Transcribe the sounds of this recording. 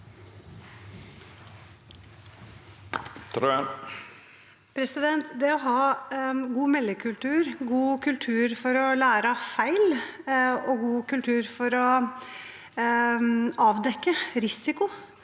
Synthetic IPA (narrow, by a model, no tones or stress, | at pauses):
t̪ʰɾ | pʰɾɛsɪd̪ɛnt̪d̪ɛɔɦɑːɡuːmɛlːɪkʰʉlt̪ʰʉːɾɡuːkʰʉlt̪ʰʉːɾfɔɾɔlæːɾəfæɪl | ɔɡuːkʉlt̪ʰʉːɾfɔɾɔ | ɑːʋd̪ɛkːəɾɪsɪkʊ